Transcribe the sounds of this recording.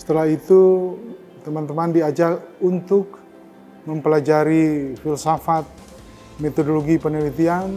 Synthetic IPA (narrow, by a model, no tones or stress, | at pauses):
sə̥t̪əlahit̪u | t̪əmant̪əmandiad͡ʒakunt̪ʊk̚ | məmpəlad͡ʒaɾifilsafat̪̚ | met̪odoloɡipənəlit̪ian